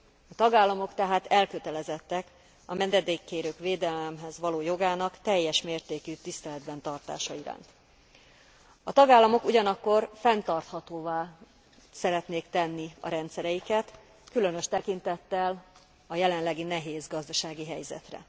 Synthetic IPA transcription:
ɒt̪ɒɡaːlːɒmo̞kt̪ɛɦaːt̪ɛlkøt̪ɛlɛzɛt̪ːɛk | ɒmɛnd̪ɛd̪eːkːeːɾøːkʋeːd̪ɛlɛmɦɛzʋɒloːjo̞ɡaːnɒkt̪ɛjːɛʃmeːrt̪eːkyt̪ist̪ɛlɛd̪bɛnt̪ɒrt̪a̰ːʃɒiɾa̰ːnt̪ | ɒt̪ɒɡaːlːɒmo̞kuɟɒnɒkːo̞rfɛnt̪ɒrt̪hɒt̪oːvaː | sɛɾɛt̪neːkt̪ɛnːiɒ̰ɾɛnt̪sɛɾɛjikɛt̪ | kylø̞nøʃt̪ɛkint̪ɛt̪ːɛl | ɒjɛlɛnlɛɡinɛɦeːzɡɒzd̪ɒʃaːɡiɦɛjzɛ̰t̪rɛ̰

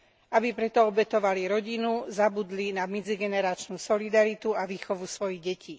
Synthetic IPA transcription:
abipɾɛt̪ɔɔbɛt̪ɔʋaliɾɔɟinuzabud̪linamɛd͡ziɡɛnɛɾat͡ʃnuːsɔlid̪aɾit̪uaʋiːxɔʋusʋɔjiɣɟɛcʰiː

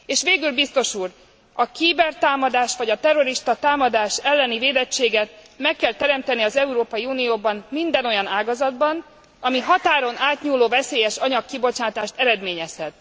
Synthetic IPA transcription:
eːʃʋeːɡylbist̪o̞ʃuːr | ɒkiːbɛrt̪aːmɒd̪aːʃʋɒɟɒt̪ɛro̞ɾiʃt̪ɒt̪aːmɒd̪aːʃɛlːɛniveːd̪ɛt͡ʃːeːɡɛt̪ | mɛkːɛlt̪ɛɾɛmt̪ɛniɒzɛuɾoːpɒjiuːnijoːbɒnmind̪ɛno̞jɒnaːɡɒzɒd̪bɒn | ɒmiɦɒt̪aːɾo̞nʔaːt̪ɲuːloːvɛseːjɛʃɒɲɒkːibo̞t͡ʃaːt̪aːʃt̪ɛɾɛd̪meːɲɛshɛt̪

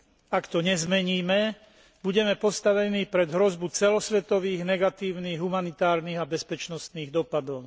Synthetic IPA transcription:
akt̪ɔɲɛzmɛɲiːmɛ | buɟɛmɛpɔst̪aʋɛniːpɾɛd̪ɦɾɔzbut͡sɛlɔsʋɛt̪ɔʋiːɣnɛɡat̪iːʊniːɣɦumanit̪aːɾniːɣabɛspɛt͡ʃnɔst̪niːɣd̪ɔpad̪ɔʊ

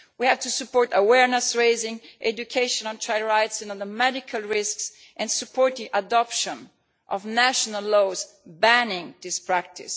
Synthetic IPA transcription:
wihævt̪usupɔɹt̪əwɛɹnɛsɹeɪzɪ̃ŋʔɛd͡ʒukʰeɪʃɔ̃nɔ̃nt͡ʃʰaɪɹajtsɛ̃nɔðəmɛdɪkʰalˠɹɪsks | ʔɛ̃nsupʰɔɹt̪̚diʔadɔpʃɔ̃n | ʔɔvnæʃɔnalːoz | bænɪ̃ŋd̪ɪspɹæk̚tʰɪ̰s

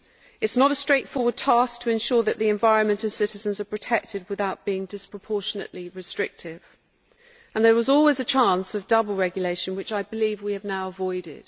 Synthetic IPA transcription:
ɨtsnəɾəstɹ̥eɪtfɔːwəd̚tʰɑˑsk̚tʰəɨ̃nʃɔɹðəʔðiɛ̃ɱvaɪɹə̃nmɨ̃ntɨ̃nsɪɾɨzə̃nzəpʰɹ̥ɨtʰɛk̚tʰɪd̚wɪθaʊʔ̚b̥iɪ̃ŋdɪspɹ̥əpʰɔˑʃənə̰ʔliɹɨstɹ̥ɪk̚tʰɪv̥ | ə̃nðə˞wɒzɔlˠwizət͡ʃʰɑ̃nsəvdʌbəlˠɹɛɡjəleɪʃə̃nwɨt͡ʃaɪbɨlivwiɨvnaʊəvɔɪdɪ̰d̥

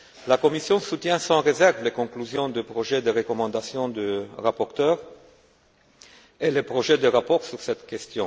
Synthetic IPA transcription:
lakɔmisjɔ̃sut̪jɛ̃sɑ̃ʁezɛʁvlekɔ̃klyzjɔ̃d̪əpχoʒed̪əʁəkɔmɑ̃d̪asjɔ̃d̪əʁapɔʁt̪œʁ | elepχoʒed̪əʁapɔʁsyʁsɛt̪kʲɛst̪jɔ̃

